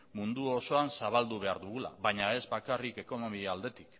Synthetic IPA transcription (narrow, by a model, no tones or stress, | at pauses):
mund̪uoso̞ansaβ̞ald̪uβ̞e̞aɾðuɣ̞ula̰βaɲae̞zbakarike̞ko̞no̞miald̪e̞t̪i̥k